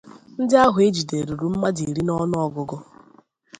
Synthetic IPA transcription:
n̩˦dɪ˦a˦ɦʊ˨e˦d͡ʒi˨de˨ɾu˨ɾu˨m̩˦ma˦di˨ɾi˦nɔ˦n˦ɔ˦ɡʊ˦ɡʊ˦

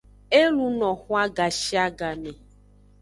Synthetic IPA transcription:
e˦lu˦nɔ̃˨xu˦a˦ɡa˨ʃi˦a˦ɡa˨me˨

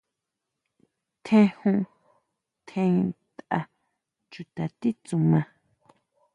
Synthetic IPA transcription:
t̪ʰẽ˦˧hũ˧ | t̪ʰẽ˧ĩ˧t̪ʔa˧ | t͡ʃu˧t̪a˨t̪i˦t͡sũ˨˧mã˧

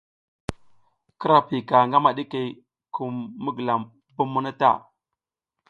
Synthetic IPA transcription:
kə˦ɾa˨pi˨ka˨ŋɡa˦ma˨ɗi˦ke˨ | ku˨mːə˦ɡə˨la˨m | bu˦mːu˦na˦ta̰˦˨

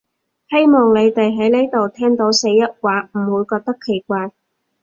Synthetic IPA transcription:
he˥jmɔː˨˩ŋne˨˧jt̪e˨jɦɐ˨˥jne˥jt̪o˨wt̪ʰɛː˥ŋt̪o˨˥wse˨˧˥jːɐ˥t̚waː˨˥m̩˨˩wuː˨˥jkɔː˧k̚t̪ɐ˥kʰːe˨˩jkʷaː˧j

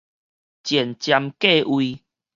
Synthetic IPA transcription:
t͡ɕjɛ˨˩nt͡ɕja˧mke˥˧˨ʔwi˧

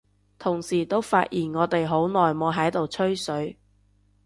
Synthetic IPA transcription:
t̪ʰʊ˨˩ŋsiː˨˩t̪o˥wfa̰ː˧ʔ̚jiː˨˩nŋɔː˨˧t̪e˨jɦo˨˥wnɔː˨jmɔː˨˥ɦɐ˨˥jt̪o˨wt͡ʃʰɵ˥ɥsɵ˨˥ɥ

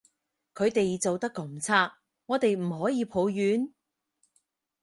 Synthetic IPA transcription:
kʰɵ˨˧ɥt̪e˨jt͡so˨wt̪ɐ˥kːɐ˨˧mt͡sʰaː˥k̚ | ŋɔː˨˧t̪e˨jm̩˨˩ɦɔː˨˥jiː˨˧pʰo˨˧wjyː˨˥n

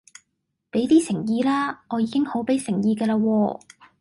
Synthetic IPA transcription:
pe˨˥jt̪iː˥sɪ˨˩ŋjiː˧laː˥ŋɔː˨˧jiː˨˧kɪ˥ŋho˨˥wpe˨˥jsɪ˨˩ŋjiː˧kəː˧laː˧wɔː˧

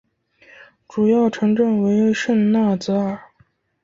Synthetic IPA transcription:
ʈ͡ʂu˨˩jɑ˥˩ʊʈ͡ʂʰɤ˧˥ŋʈ͡ʂɤ˥˩ŋwe˧˥ɪʂə˥˧nna˥˩t͡sɹ̩˧˥ə˥˩

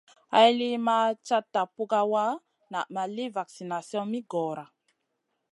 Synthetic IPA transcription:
a˦jli˦ma˦t͡ʃa˦tːa˨pu˦ɡa˦wa˦ | na̰˨ma˨li˦va˨ksi˨na˨sjɔ̃˦mi˦ɡɔ˨ɾa˨

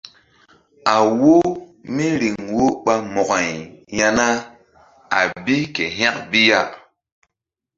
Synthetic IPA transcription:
a˨wo˦mi˦ɾi˨ŋwo˦ɓa˦mɔ˨ɡa˨jja˦na˦ | a̰˨bi˦ke˨ɦa˦k̚bi˦ja˦˨

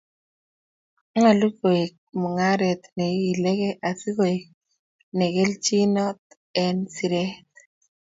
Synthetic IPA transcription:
ŋa˨lu˦ko˨e˨k̚mɔ˨ŋa˦ɾɛ˨t̪ne˨˦i˨le˦ke˦ʔa˨si˦ko˨e˨k̚ | ne˨ɡe˦lt͡ʃi˦nɔ˦t̪ | ɛ˦nsi˨ɾɛ˦t̪

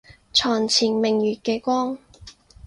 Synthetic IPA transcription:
t͡sʰɔː˨˩ŋt͡sʰiː˨˩nmɪ˨˩ŋjyː˨t̚keː˧kʷɔː˥ŋ

